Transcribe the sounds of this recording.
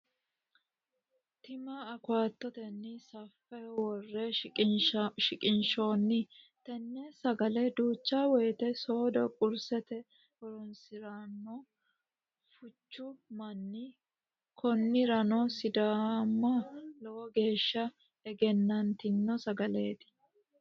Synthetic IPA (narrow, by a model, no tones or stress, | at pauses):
t̪ɪmɐːkʊaːt̪ːɔt̪ɛnːɪsɐfːɛwɔrːɛ | ʃɪkʼɪnʃo̞ːnːɪ | t̪ɐnːɛsɐɡɐlɛd̪uːt͡ʃːawɛjt̪ɛsoːd̪ɔkʼʊɾsɛt̪ɛ | wɔɾɔnsɪɾanːɔ | fʊt͡ʃːʊmɐnːɪ | kʰɔnːɪɾɐnɔsɪd̪aːmːɐlɔwɔɡe̞ːʃːɐ | ɛɡɛnːɐnt̪ɪnːɔsɐɡɐle̞ːt̪ɪ̥